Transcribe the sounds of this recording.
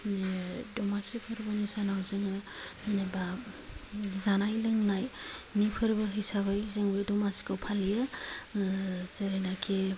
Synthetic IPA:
dɔmasipʰɯɾbɯnisanawzɯŋɯ | ɯnaba | zanajlɯŋnajmipʰɯɾbɯɦɯjsaβɯjzɯŋbɯjdɔmasi̥kʰɯwpʰalijɯ | zeɾenakʰe

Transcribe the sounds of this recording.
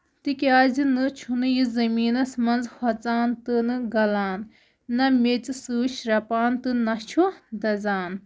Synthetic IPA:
t̪ɨkʲaːzɨnɨt͡ʃʰunɨjizɐmiːnɐsmɐnzhʰɐt͡saːnt̪ɨnɨɡɐlaːnː | ɐmet͡ssɨːt͡ʃʰɾɐpaːnt̪ɨnɐt͡ʃʰud̪ɐzaːn

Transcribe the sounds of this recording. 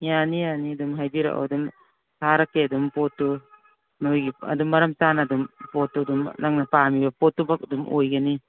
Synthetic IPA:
janijaniɐdumɦajdiɾa̰ʔa̰wdum | haɾakːeɐdumpotːu | nojɡiɐ̰dumːɐɾɐmsanadumpotːudumnaŋnɐpamibɐpotːubak̚adumʔojɡani

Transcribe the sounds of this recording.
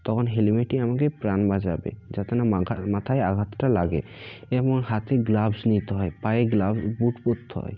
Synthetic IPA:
t̪ɔkʰonɦelimeʈiamakepɾanbad͡ʑabḛd͡ʑat̪enamat̪ʰaeaɡʱat̪ʈalaɡḛɛmɔŋɦat̪eɡlabsnit̪eɦɔepajeɡlabsbuʈpot̪ʰːɔ̰j

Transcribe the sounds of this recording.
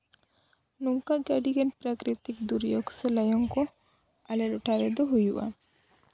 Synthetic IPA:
nuŋkaɡaɖiɡɛnpɾakɾit̪ikd̪uɾjɔɡsɛlajɔŋkɔ | alɛɾuʈaɾɛd̪ɔɦujuʔa̰

